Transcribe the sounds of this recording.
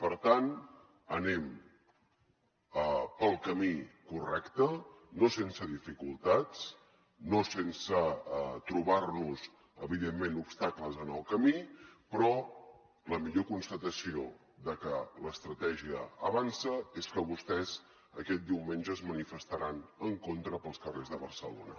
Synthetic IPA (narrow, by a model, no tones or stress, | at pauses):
pəɾt̪an | ənɛm | əpəlˠkəmikurɛkt̪ə | nosensəðifikulˠt̪at͡s | nosensət̪ɾuβarnus | əβiðemːenupst̪akləzənəlˠkəmipɾɔ | ləmiʎokunst̪ət̪əsio | ðəkələst̪ɾət̪ɛʒiəːβansəeskəβust̪ɛz | ə̰kɛt̪̚d̪iwmenʲʒəːzmənifəst̪əɾanəŋkont̪ɾəpəlˠskərezðəβ̞ərsə̰lo̰nə̰